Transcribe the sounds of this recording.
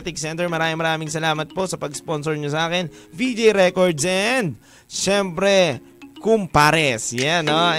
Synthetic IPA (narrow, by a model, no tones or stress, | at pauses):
t̪ɪk̚sɛnt̪ɛɹmɐɾaːmiŋmɐɾaːmɪŋsɐlaːmɐt̪̚po̞ʔsɐpɐɡsponsoɹɲos̬ɐʔaːkɪnvid͡ʒejɾɛkoɹd̪sʔɛnd̪̚ | ʃɛmpɾɛ | kʊmpaɾɛsjano